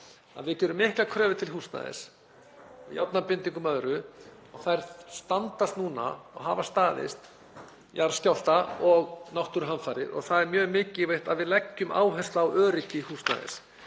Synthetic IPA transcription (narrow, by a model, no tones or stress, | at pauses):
a̰ðvɪcɛɾʏmːɪhklakʰɾœːvɪt̪ʰɪlɦuːst̪na̰ðɪ̰s | ja̰wt̪napɪnt̪iŋkʏmœðɾʏ | ɔɣθajɾst̪ant̪ast̪nuːna̰ɔ̰ɣɦaːvast̪aːðɪ̰st̪ | jaɾscawl̥t̪aɔɣnawht̪ʏɾɦanfaːɾɪɾɔ̰ɣθaðɛɾmjœːɣmɪːcɪvejht̪aðvɪðlɛcːʏmʔa̰ːwɦœst̪aːwʔœːɾɪcɪhuːsna̰ðɪ̰s